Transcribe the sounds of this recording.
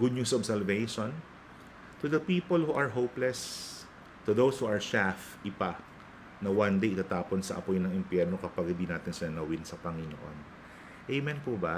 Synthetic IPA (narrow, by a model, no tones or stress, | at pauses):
ɡʊd̪̚ɲusɔbsɛlvejʃon | t̪ʊd̪ɐpiːpolhuʔɐɹɦowplɛs | t̪ʊðowshuːʔɐɹʃaf | ʔɪpa | nɐwand̪ejʔt̪at̪aːponsɐ̰ʔɐ̰pojnɐŋɪmpjɛɹno̞kɐpaɡ̚hɪ̃nd̪inaːt̪ɪnsɪnɐnɐwɪnsɐpɐŋɪno̰ʔo̰n | ʔɛjmɛnpubɐ